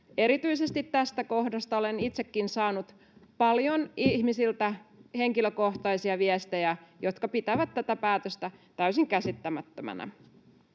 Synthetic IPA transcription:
e̞ɾit̪yisest̪it̪t̪æst̪ækohdɑst̪ɑolenit̪sekːinsɑːnut̪ | pɑljonihmisilt̪æheŋkiløkoht̪ɑisiɑʋiest̪ejæjot̪kɑpit̪æʋæt̪t̪ːæt̪æpæːt̪øst̪æt̪æysiŋkæsit̪ːæmæt̪ːømæ̰næ̰

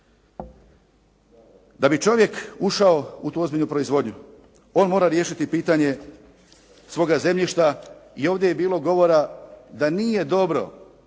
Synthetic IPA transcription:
d̪abit͡ʃo̞ʋje̞kuʃao̞ut̪uːo̞zbiʎʲnupɾo̞izʋo̞d̪ɲu | o̞ːnmo̞ːɾaɾje̞ːʃit̪ipiːt̪aɲe̞ | sʋo̞ːɡaze̞mʎʲiʃt̪aio̞ːʋvd̪je̞jebiːlo̞ɡo̞ʋo̞ɾad̪anije̞d̪o̞bɾo̞̰

